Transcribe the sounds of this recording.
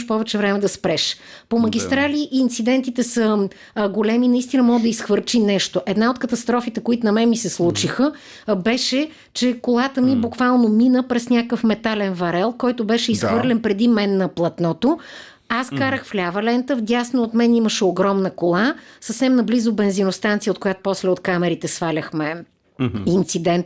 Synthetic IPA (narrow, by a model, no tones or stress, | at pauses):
ʃpɔvɛt͡ʃɛvɾɛmɛd̪ɐspɾɛʃpoməɡʲist̪ɾalʲiʔːnt̪sid̪ɛnt̪it̪ɛsə | ɡolɛminɐist̪inəmɔɡəd̪əisxvəɾt͡ʃinɛʃt̪oʔɛd̪naot̪̚kət̪ɐst̪ɾɔfit̪ɛkoit̪ʊnɐmɛnmisɛslˠut͡ʃixə | bɛʃɛ | t͡ʃɛkolˠat̪əmibukvalˠnominəpɾɛsnʲakəfmɛt̪alɛnvɐɾɛlˠkɔjt̪obɛʃɛisxvɤɾlʲɛnpɾɛd̪imɛnːɐplˠɐt̪nɔt̪o | askaɾəxflʲavɐlɛnt̪əvd̪ʲasnoːt̪mɛniməʃɛoɡɾɔmnəkolˠasəfsɛmnɐblizobɛnzinost̪ant̪siəot̪̚kojat̪o̥pɔslɛot̪kamɛɾit̪ɛsvalʲəxmɛ | int̪sid̪ɛnt̪